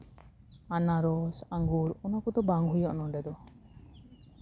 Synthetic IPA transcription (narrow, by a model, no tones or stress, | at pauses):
anaɾɔsaŋɡuɾɔnakɔd̪ɔbaŋɦujɔʔnɔɖɛd̪ɔ